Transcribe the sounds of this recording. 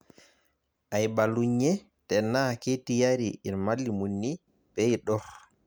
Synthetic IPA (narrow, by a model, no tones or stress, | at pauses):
ʔajbaluɲːɛ | tɛnːaketijaɾiinmalːimunːi | bɛjɗɔh